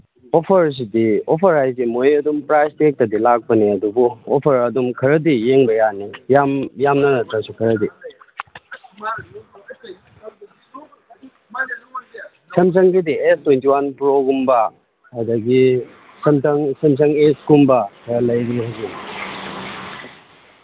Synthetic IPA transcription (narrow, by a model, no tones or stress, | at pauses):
opʰɐɾs̬idiopʰɐɾɦajzimojɐdumpɾastek̚tɐdilak̚pɐniɐdubuopʰɐɾɐdumkʰɐɾɐdijeŋbɐjanijamjamnɐnɐtɾɐsukʰɐɾɐdi | sʰɐms̬ɐŋɡidiestwentiwanpɾoɡumbɐː | dɐɡi | sɐmtɐŋsɐms̬ɐŋeskumbɐkʰɐɾɐlɐjdiɦajzi